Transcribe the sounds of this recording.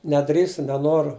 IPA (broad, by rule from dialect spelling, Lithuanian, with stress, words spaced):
nʲɛˈdʲrʲiːstʊ nʲɛˈnoːrʊ